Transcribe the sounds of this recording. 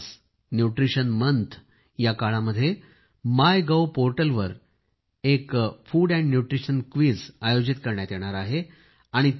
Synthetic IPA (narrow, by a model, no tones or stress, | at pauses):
s | njuʈɾiɕənmənt̪ʰ | jakaɭaməd̪ʱːje | majɡəwpoɾʈəlʋəɾ | ekfuːɽæ̃ɳɖnjuʈɾiɕənkʋiːd͡zajod͡ʑit̪̚kəɾɳjat̪jeɽ̃aɾaɦe | aɽ̃i